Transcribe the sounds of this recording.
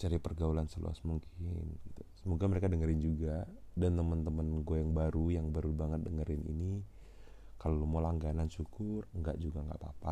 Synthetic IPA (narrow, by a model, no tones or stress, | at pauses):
t͡ʃaɾipərɡaulansəlṵa̰smuŋkʰɪnɡit̪usəmoɡaməɾekadəŋəɾɪnd͡ʒuɡadant̪əmənt̪əmənɡoajaŋbaɾujaŋbaɾubaŋət̪̚dəŋəɾɪnḭni | kalomolaŋɡananʃukʊrŋɡa̰ʔd͡ʒuɡaŋɡa̰ʔpa̰pa